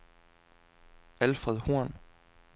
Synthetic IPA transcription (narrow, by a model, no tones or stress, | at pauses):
ælfʁɛðˠhuɐ̰n